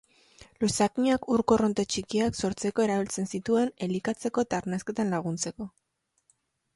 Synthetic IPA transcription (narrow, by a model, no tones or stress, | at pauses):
lusakiɲakuɾko̞ro̞nt̪e̞t͡ʃikiakso̞ɾt͡se̞ko̞e̞ɾaβilt͡se̞nsit̪ue̞ne̞likat͡se̞ko̞et̪aɾnaske̞t̪anlaɣ̞unt͡se̞ko̞